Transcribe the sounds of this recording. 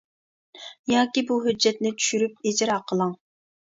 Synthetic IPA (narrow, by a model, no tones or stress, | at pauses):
jɑːkʲibuɦød͡ʒːɛt̪̚nɪt͡ʃʰy̥ʃyɾyp̚ed͡ʒɪɾɑːqʰəlˠɑŋ